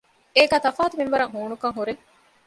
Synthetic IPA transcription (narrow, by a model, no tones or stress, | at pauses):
eːɡæːt̪ɐfaːt̪uminʋɐɾɐŋɦuːnukɐŋɦuɾeŋ